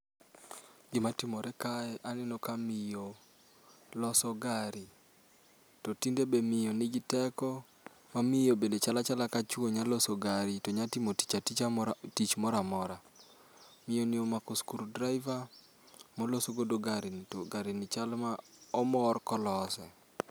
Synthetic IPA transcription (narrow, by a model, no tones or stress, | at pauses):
ɡɪmatɪmɔɾɛkaɛʔanɛnɔkamijo | lɔsɔɡaɾi | tɔtindebemɪjonɪɡɪtɛkɔ | mamɪjobendet͡ʃalat͡ʃalakat͡ʃwoɲalosoɡaɾitɔɲatimoti̥t͡ʃatit͡ʃatit͡ʃmɔɾamɔɾa | mɪjonɪomakoskuɾudɾaɪva | molosoɡodoɡaɾintoɡaɾinɪt͡ʃalmaɔmɔrkɔlɔsɛ